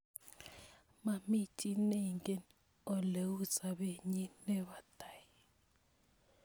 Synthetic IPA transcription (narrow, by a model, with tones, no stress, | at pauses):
ma˨mi˦tʼine˨ŋɡʼe˦n | ɔ˦le˨wu˦sʼa˨ɓe˨ɲɛ˦nɛ˦βa˨d̥a˨ji